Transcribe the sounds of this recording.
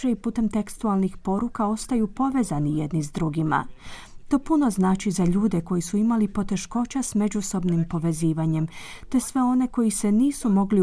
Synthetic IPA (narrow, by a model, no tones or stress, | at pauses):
eipuːt̪e̞mt̪ekst̪ualˠnixpo̞ɾukao̞st̪ajupo̞ʋe̞zanijed̪nizd̪ɾuɡima̰ | t̪o̞ːpuno̞znaːt͡ʃizaʎuːd̪e̞ko̞jisuimalipo̞t̪e̞ʃko̞t͡ɕasme̞d͡ʑuso̞bnimpo̞ʋe̞ziːʋaɲe̞mt̪e̞sʋe̞o̞ne̞ko̞jise̞niːsumo̞ɡli